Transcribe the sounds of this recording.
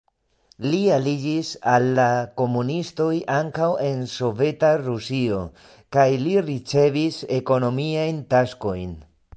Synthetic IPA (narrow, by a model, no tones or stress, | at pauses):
lialid͡ʒisalːako̞munisto̞jʔaŋkawe̞nso̞ve̞taɾusio̞̰ | kajliɾit͡se̞vise̞ko̞no̞miajntasko̞jn